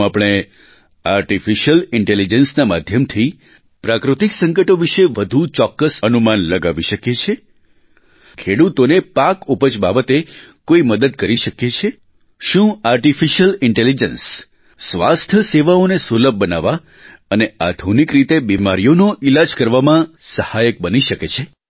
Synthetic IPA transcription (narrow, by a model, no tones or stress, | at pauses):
apɽ̃e | aɾʈifiʃəlɪɳʈelid͡ʒənsnama̰d̪ʱjəmt̪ʰi | pɾakɾut̪iksə̃ŋkəʈoʋiʃeʋəd̪ʱut͡ʃɔkːəsənumanləɡaʋiʃəket͡ʃʰe | kʰeɽut̪onepakupət͡ʃbabət̪ekoiməd̪əd̪̚kəɾiʃəket͡ʃʰe | ʃũaɾʈifiʃəlɪɳʈelid͡ʒəns | sʋa̰st̪ʰəseʋaonesuləb̚ʱbənaʋa | ənead̪ʱunikɾit̪ebimaɾijonoʔilad͡ʒkəɾʋamãsəhajək̚bəniʃəket͡ʃʰe